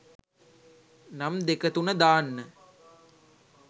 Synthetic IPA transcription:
namd̪ekət̪unəd̪aːnːə

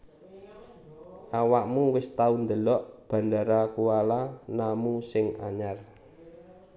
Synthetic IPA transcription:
ʔawaʔmuŋwɪst̪aund̪əlɔʔb̥a̤ndaɾakualanamusɪŋaɲar

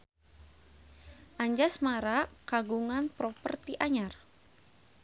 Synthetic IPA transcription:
ʔaɲd͡ʒasmaɾakaɡuŋanpɾɔpərt̪iʔaɲar

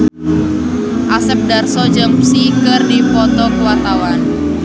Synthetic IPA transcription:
ʔasɛp̚darsɔd͡ʒəmsikərdipɔt̪ɔkəwart̪awan

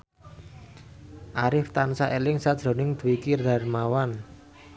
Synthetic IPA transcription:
ʔaɾɪft̪ansaʔelɪŋsad̥ʒ̥ɾɔ̤nɪŋd̪̥uwikird̪a̤rmawan

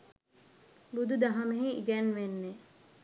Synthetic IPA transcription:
bud̪ud̪aɦameɦiḭɡɛnʋenːe

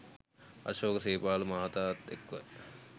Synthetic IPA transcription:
ɐ̰ʃoːkɐseːpaːlumaːt̪aːt̪ːekːʋɐ̰

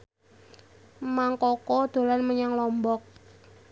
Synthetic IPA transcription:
maŋkɔkɔd̪̥o̤lanməɲaŋlɔmbɔk̚

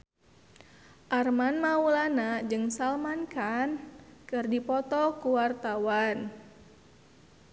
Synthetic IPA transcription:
ʔarmanmaulanad͡ʒɨŋsalmankankɨrdipɔt̪ɔkuwart̪awan

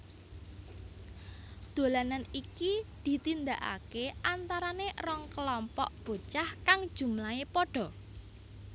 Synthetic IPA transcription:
d̪̥o̤lananikid̪̥i̤t̪ind̪aʔa̰keʔant̪aɾanerɔŋkəlɔmpɔ̰ʔb̥o̤t͡ʃahkaŋ̥ʒ̥ṳmlaepɔɖ̥ɔ̤

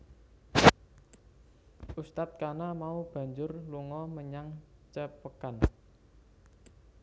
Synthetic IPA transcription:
ʔust̪at̪̚kanamaub̥ä̤ɲd͡ʒʊrluŋɔməɲaŋt͡ʃəpəkan

